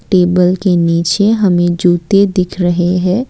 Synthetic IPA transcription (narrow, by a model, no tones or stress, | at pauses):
ʈeːbəlkeniːt͡ʃeɦɐmẽd͡ʒuːt̪ed̪ɪkʰɾəɦeɦɛ̃ː